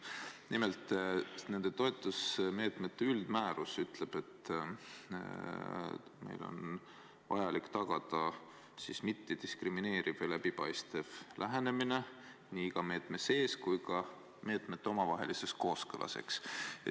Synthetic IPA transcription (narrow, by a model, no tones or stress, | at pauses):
nimelt̪ˑːne̞nd̪̥e̞t̪o̞et̪ːˑusme̞ːt̪me̞t̪ːeyld̪̥mæːɾusyt̪ˑle̞b̥e̞t̪ːˑ | me̞̰jlo̞̰n | vɑ̰jɑlikːt̪ɑɡ̥ɑd̪̥ɑ | sismit̪ːid̪̥iskrimine̞ːɾiv̥ɑjlæbipɑjst̪e̞vlʔæɦene̞mine̞ | niːkɑme̞ːt̪mese̞ːskujkɑ | me̞ːt̪ˑmet̪ːeo̞mɑvɑɦe̞̰lise̞sko̞ːskɯlʔɑ̰se̞̰ks